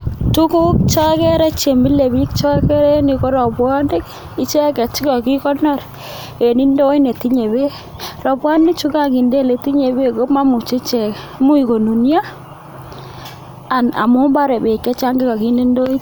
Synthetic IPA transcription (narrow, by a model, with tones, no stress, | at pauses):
tu˦ku˦k̚t͡ʃa˦kɛ˦ɾɛ˦t͡ʃe˨mi˦le˨bi˦k̚t͡ʃɔ˦kɛ˦ɾɛ˦nɪ˨ko˦ɾɔ˨pwɔ˦ndɪ˦k | ɪ˦t͡ʃɛ˦kɛ˨t͡ʃɪ˦kɔ˨ki˦kɔ˦nɔ˦˨r | e˨ni˦ndo˦i˦ne˨ti˦ɲe˨be˦ | rɔ˨pwa˦nɪ˦kt͡ʃu˦ka˦˨ki˨nde˦˨le˨ti˦ɲe˨be˦ko˦ma˦mu˨t͡ʃe˦t͡ʃɛ˨k | mu˦i˨ko˨nu˨nja˦ | a˨na̰˨mu˦mba˦ɾɛ˨be˨kːɛ˦t͡ʃa˦ŋɡɪ˦ka˨ki˦ni˦ndo˦i˦